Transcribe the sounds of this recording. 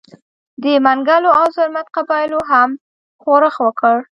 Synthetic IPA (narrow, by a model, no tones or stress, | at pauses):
d̪əmaŋɡaloawzʊɾmat̪̚qabɑjɪloɦam | xoɾəxwəkəɽ